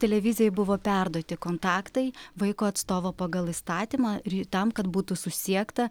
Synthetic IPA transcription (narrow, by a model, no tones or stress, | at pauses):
t̪ʲɛlʲɛʋʲɪzʲɪjɛɪbʊʋoːpʲærd̪uɔt̪ʲɪkoːnt̪ɑːkt̪ɐɪʋɐɪkoːɐt̪st̪oːʋoːpɐɡɐlˠiːst̪ɑːt̪ʲimɑɾt̪ɐmkɐt̪buːt̪ʊsʊsʲiɛkt̪ɐ